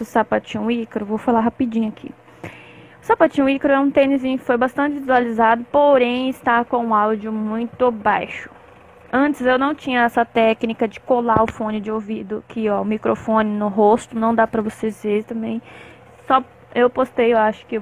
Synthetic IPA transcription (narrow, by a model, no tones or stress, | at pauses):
ʊsapat͡ʃĩʊikɾʊvowfalaɦapid͡ʒĩɲʊakʰḭ | ʊsapat͡ʃĩɲ̃ʊ̃ikɾʊɛũt̪ẽnizĩɲʊkɪ̥fojbast̪ɐ̃t͡ʃɪvizualizad̪ʊpoɾẽj̃ɪst̪akõũawd͡ʒʊmũj̃t̪ʊbajʃʊ̥ | ɐ̃t͡ʃɪzewnɐ̃w̃t͡ʃĩɲɐɛsɐt̪ɛknikɐd͡ʒɪkolaʊfõnɪd͡ʒɪowvid̪ʊkʰɪɔʊmikɾʔofõnɪnʊɦost̪ʊnɐ̃w̃d̪apɾɐvoseet̪ɐ̃mbẽj̃ | sɔ | ewpost̪ejewaʃʊ̥kɪ